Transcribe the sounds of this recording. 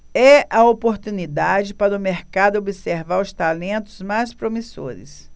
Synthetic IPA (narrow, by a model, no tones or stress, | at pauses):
ɛʔɐopoɾt̪unid̪ad͡ʒɪpaɾɐʊmeɾkad̪ʊobiseɾvaɾʊst̪alẽnt̪ʊ̥zmajspɾomiso̰ɾɪ̰s